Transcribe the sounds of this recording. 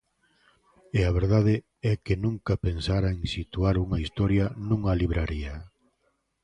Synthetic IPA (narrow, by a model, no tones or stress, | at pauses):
eaβ̞eɾðað̞ɪ | ɛkenũŋkɐpensaɾaeŋsit̪uaɾuŋɐist̪ɔɾjɐnũŋaliβ̞ɾaɾiɐ